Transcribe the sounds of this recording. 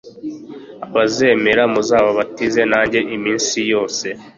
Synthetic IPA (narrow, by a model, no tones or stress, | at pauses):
aβaze̞me̞ɾamuzaːβoβatize̞naːɲɟeʔimiːnsijo̞ːse̞